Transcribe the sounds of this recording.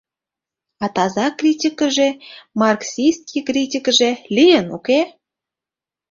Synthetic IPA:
ɑt̪ɑzɑkrʲitʲikəʒemɑrksʲijst̪̚kʲʰikrʲitʲikəʒelʲijənuke

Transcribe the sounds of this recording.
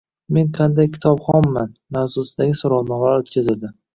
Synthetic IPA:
me̞ɴqʰɑnd̪ajkʲʰɪ̥t̪ʰɒpχɒmːanmawzʊsɪd̪aɡʲɪsʊɾɒwnɒmlaɾot̪kʲʰazɪd̪ɪ

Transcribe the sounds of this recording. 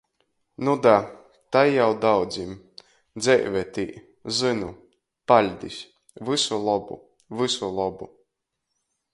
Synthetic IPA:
nud̪a | t̪ajjːawd̪awd̪zim | d̪zʲɛjvɛt̪ḭː | zɨnu | palʲd̪ʲisʲ | vɨsulˠɔbṵ | vɨsulˠɔbu

